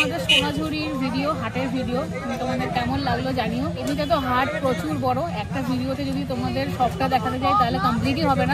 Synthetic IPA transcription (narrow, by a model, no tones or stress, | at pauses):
mad̪eɾʃonad͡ʑʱuɾiɾbʱiɖioɦaʈeɾbʱiɖio | mit̪omad̪eɾkɛmonlaɡlod͡ʑanioemiʈat̪̬oɦaʈpɾot͡ɕuɾbɔɾoɛk̚ʈabʱiɖiot̪ed͡ʑod̪ʱit̪omad̪eɾʃɔbʈad̪ɛkʰat̪et͡ɕajt̪aɦolekɔmpliʈ̬iɦɔbena